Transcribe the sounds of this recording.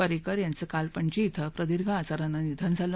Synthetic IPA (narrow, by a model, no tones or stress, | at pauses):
əɾekəɾjant͡səkalpəɳt͡ɕiːt̪ʰəpɾəd̪iɾɡʱãːt͡saɾanːanid̪ʱand͡zʱalə